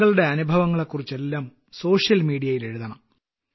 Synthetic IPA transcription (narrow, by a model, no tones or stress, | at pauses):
ɣɐɭuɽe̞ɐnubʱɐʋɐŋːɐɭekːurit͡ɕːe̞lːaːm | so̞ːʂjɐlmiːɽijɐjile̞ɻuðɐɳɐm